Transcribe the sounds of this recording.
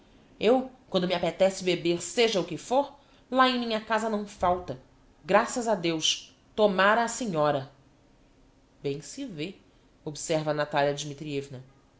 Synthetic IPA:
ewkwɐ̃nd̪ʊmiapet̪ɛsɪbebeɾseʒɐukɪfoɾ | laẽj̃mĩɲɐkazɐnɐ̃w̃fawt̪ɐ | ɡɾasɐzɐd̪ewʃ | t̪omaɾɐːseɲɔɾɐ | bẽj̃sɪve | obsɛɾvɐnat̪aliɐd͡ʒimit̪ɾiɛvnɐ

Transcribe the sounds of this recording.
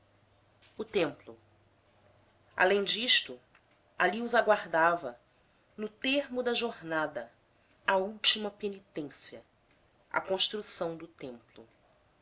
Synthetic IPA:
ʊt̪ẽmplʊ | a̰lẽj̃d͡ʒiʃt̪ʊ | aliʊzaɡwaɾd̪avɐ | nʊt̪eɾmʊd̪ɐʒoɾnad̪ɐ | ɐuwt͡ʃimɐpenit̪ẽsiɐ | ɐ̰kõʃt̪ɾusɐ̃w̃d̪ʊt̪ẽmplʊ̰

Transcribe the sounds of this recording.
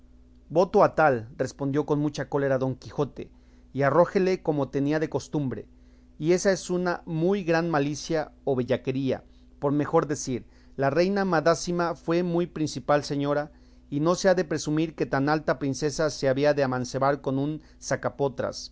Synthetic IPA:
bo̞t̪o̞at̪alre̞spo̞nd̪jo̞ko̞nmut͡ʃako̞le̞ɾaðo̞ŋkixo̞t̪e̞̰ | iaro̞xe̞le̞ko̞mo̞t̪e̞niaðe̞ko̞st̪umbɾe̞̰ | ie̞sae̞sunamujɣɾanmalisjaoβeʝake̞ɾia̰ | po̞ɾme̞xo̞ɾðe̞siɾ | lare̞jnamaðasimafwe̞mujpɾinsipalse̞ɲo̞ɾa | ino̞se̞aðe̞pɾe̞sumiɾke̞t̪analt̪apɾinse̞sase̞aβiaðeamãnse̞βaɾko̞nun | sakapo̞t̪ɾa̰s

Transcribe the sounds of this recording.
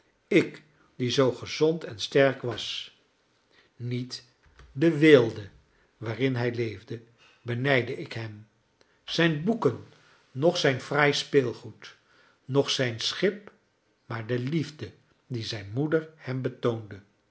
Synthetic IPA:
ɪk | dizowχəzɔntɛnstɛɹkʋɑs | nit | dəʋɪːlˠdə | ʋaːrɪnɦɛjlejvdə | bənɛjdəɪkɦɛm | z̥ɛjnbukənː | ɔχsɛjnfrajspɪːlˠχut | nɔχsɛjnsχɪp | maːɹdəlivdə | dizɛjnmudəɹhɛmbətowndə

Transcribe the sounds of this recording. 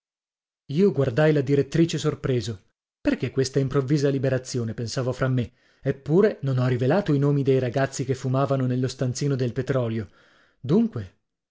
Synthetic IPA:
iːoɡward̪ajlad̪iɾet̪ːɾiːt͡ʃesorpɾeːzo | perkekːwest̪aimpɾovːiːzalibeɾat̪sːjoːnepensaːvofɾamːe | epːuːɾenonɔrːivelaːt̪oinoːmid̪ejɾaɡat̪sːikefːumaːvanonelːost̪ant̪siːnod̪elpet̪ɾɔːljo | d̪uŋkwe

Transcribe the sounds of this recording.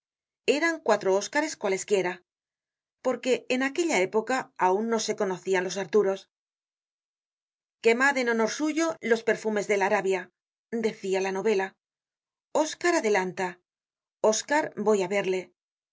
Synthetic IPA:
e̞ɾaŋkwat̪ɾo̞o̞skaɾe̞skwale̞skje̞ɾa | po̞ɾke̞ːnake̞ʎae̞po̞kaːunːo̞se̞ko̞no̞θianlo̞s̬aɾt̪uɾo̞s | ke̞maðeno̞no̞ɾsuʝo̞lo̞spe̞ɾfume̞zðe̞laɾaβja | d̪e̞θialano̞βe̞la | o̞skaɾaðe̞lant̪a | o̞skaɾbo̞jaβe̞ɾle̞

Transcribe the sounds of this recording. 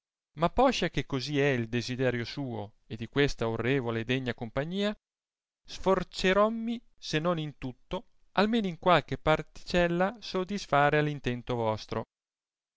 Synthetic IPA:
mapːɔʃakekːoziɛild̪ezid̪ɛːɾjosuːo̰ | ed̪ikwest̪aorːeːvoleːd̪ɛɲːakompaɲːiːa | sfort͡ʃeɾɔmːi | senːonint̪ut̪ːo | almeːnoiŋkwalk̟epart̪i̥t͡ʃɛlːasod̪isfaːɾealint̪ɛnt̪ovɔst̪ɾʔo̰

